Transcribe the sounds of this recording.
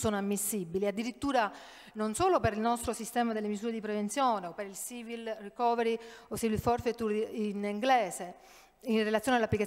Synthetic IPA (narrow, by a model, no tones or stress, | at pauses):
soːnoamːisːibːiliad̪ːiɾit̪ːuːɾa | nonsoːlopeɾilnɔst̪ɾosist̪ɛːmad̪elːemizuːɾed̪ipɾevent̪sjoːneopːeɾilsiːvilrikɔːveɾiosiːvilfɔrfet̪ːuɾiniŋɡlɛːze | inrelat̪sjoːnalːapːlika